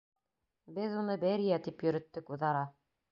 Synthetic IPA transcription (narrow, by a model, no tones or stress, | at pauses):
bɘðunɤbɘɾijæt̪ipjɵ̆ɾɘ̆t̪ːɘkuðɑɾɑ